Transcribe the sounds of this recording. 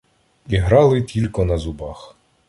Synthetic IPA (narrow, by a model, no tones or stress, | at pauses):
iɦɾɑlˠɪtʲilʲkɔnɐzʊbɑx